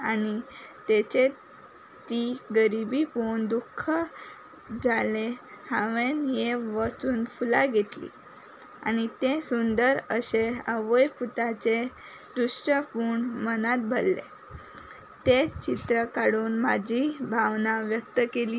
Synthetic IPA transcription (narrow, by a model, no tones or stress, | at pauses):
anit̪et͡ɕe | t̪iɡəɾibipund̪ukʰːə | d͡zʱalehãʋenjeʋat͡suːnfulaɡʱet̪lḭ | a̰ñit̪esund̪əɾəɕeəʋəjput̪at͡ɕe | ɾuʂʈəpuːɳmənat̪̚bʱəlːḛ | t̪et͡ɕit̪ɾəkaɽuːnmad͡ʑʱibʱaʋnaʋjək̚t̪əkeli